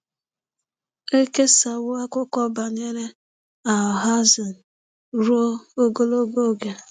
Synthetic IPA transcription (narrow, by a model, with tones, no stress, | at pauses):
e˦ke˦sa˨wʊ˦a˦kʊ˦kɔ˦ba˨ɲe˦ɾe˦ | a˨ɦa˦za˨n̩˨ | ɾu˦o˦o˦ɡo˦lo˦ɡo˦ɡe˨